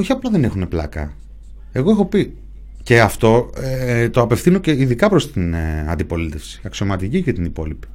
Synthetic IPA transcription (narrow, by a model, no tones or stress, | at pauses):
o̞çiɐplɐðe̞ne̞xune̞plɐ̰kɐ̰ | e̞ɣo̞exo̞pi | ce̞ɐft̪o̞et̪o̞ɐpe̞fθino̞ceiðikɐpɾost̪inɐ̰nd̪ipo̞lit̪e̞fsi̥ɐksio̞mɐt̪icicet̪inipo̞lipi̥